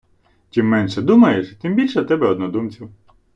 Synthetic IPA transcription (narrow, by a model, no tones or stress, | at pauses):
t͡ʃʲimːɛnʃɛd̪umɐjeʃt̪ɪmbʲilʲʃɛt̪ɛbɛɔd̪nɔd̪umt͡sʲiw